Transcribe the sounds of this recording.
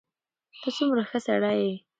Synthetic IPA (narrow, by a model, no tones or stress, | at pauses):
t̪at͡sumɾaxəsaɽaje